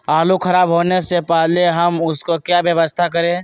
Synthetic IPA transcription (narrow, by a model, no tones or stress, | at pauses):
aːlukʰəɾaːbɦoːnesepəɦleɦɐmʊskokjabjəʋəst̪ʰak̬əɾẽː